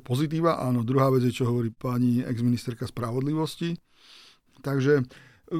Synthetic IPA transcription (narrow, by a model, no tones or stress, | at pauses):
pɔzit̪̬iːʋaːʔaːnɔd̪ɾuɦaːʋɛd͡zjɛt͡ʃɔɦɔʋɔɾiːpaɲiɛ̰ɡzminist̪ɛɾkaspɾaʋɔd̪liʋɔsci | t̪aɡʒɛ